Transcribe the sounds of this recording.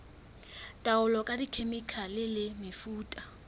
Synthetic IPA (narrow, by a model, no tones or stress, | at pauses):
tʼaʊlɔkʼadikʰemikʰalɪlɪmɪfuːtʼḁ